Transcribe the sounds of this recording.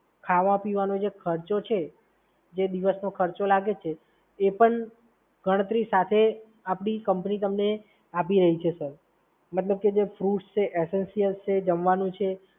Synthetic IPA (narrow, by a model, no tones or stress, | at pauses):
kʰaʋãpiʋanod͡ʒekʰəɾt͡ʃot͡ʃʰe | d͡ʒed̪iʋəsnokʰəɾt͡ʃolaɡet͡ʃʰeː | pəɳ | ɡʱəɽ̃ət̪ɾisat̪ʰe | apɳ̃ikəmpnit̪əmne | apiɾəɦit͡ʃʰesəɾ | mət̪ləb̚ked͡ʒefɾuʈst͡ʃʰeʔesensijəlt͡ʃʰed͡ʒəmʋanũt͡ʃʰe